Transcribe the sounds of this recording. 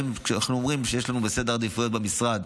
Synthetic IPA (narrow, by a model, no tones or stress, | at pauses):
mkʃeananuomʁimʃejeʃlanubesed̪eʁad̪ifujo̞t̪bemisʁad̪